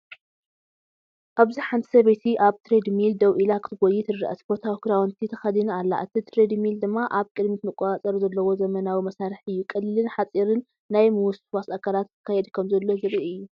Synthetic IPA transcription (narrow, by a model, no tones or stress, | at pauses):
ʔaβziħant̪ʰi̥sɐβet̪ʰiʔaβt̪ʰɾed̪mild̪ɐwʔilakʰɨ̥t̪ʰɨɡojit̪ʰɨɾɨʔɐsbo̞t̪ʰawkɨɾawɔnt̪ʰit̪ʰɐxɐd̪inalːa̰ʔɨt̪ʰit̪ʰɾed̪mild̪ɨmːaʔaβkʼɨd̪mit̪mɨkʼɔat͡sʼɐɾzɐlːɐwo̞zɐmɐnawimɐsaɾħɨjːukʼɨlːɨlɨnħat͡sʼiɾɨnː | ajmɨwʊsfwasakʰalat̪ʰːɨ̥kʰːajɛd̪kʰɐmzɐlːo̞zɨβɨliɨjːu